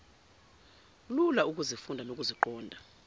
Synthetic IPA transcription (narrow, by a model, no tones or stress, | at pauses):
lulauk̬ʼuzifundʱanok̬ʼuziǃɔːndʱa